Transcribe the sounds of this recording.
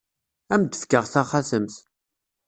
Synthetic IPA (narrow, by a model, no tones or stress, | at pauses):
æmd̪əfkːəʁθaχaθəmθ